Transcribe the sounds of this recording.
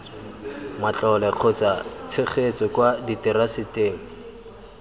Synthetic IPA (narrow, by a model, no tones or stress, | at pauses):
mat͡ɬʼɔlɛq͡χʰʊt͡sat͡sʰɪχʰet͡sɔkwaditɪɾasɪteːŋ̩